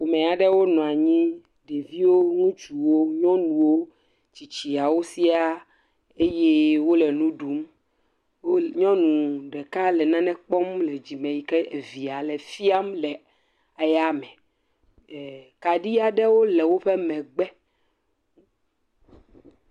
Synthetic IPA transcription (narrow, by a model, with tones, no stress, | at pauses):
wo˨mɛ̃˨a˨ɖɛ˦wo˦nɔ̃˨a˨ɲĩ˦ | ɖe˨vi˦wo˦ŋũ˦t͡ʃu˨wo˦ɲɔ̃˦nũ˨wo˦ | t͡ɕi˨t͡ɕi˨a˨wo˦si˦a˦ | e˦je˦wo˦lɛe˨nũ˦ɖu˨˦m | wo˦ɲɔ̃˦nũ˨ɖɛ˨ka˦lɛ˨nã˦nɛ̃˦k͡pɔ˦mlɛ˨d͡ʑi˨mɛ̃˨ji˨kɛ˦e˨vi˨a˨lɛ˨fi˦a˦mlɛ˨ | a˨ja˦mɛ̃˨ | ka˨ɖi˦a˨ɖɛ˦wo˦lɛ˨wo˦ɸɛ˦mɛ̃˨ɡ͡bɛ˦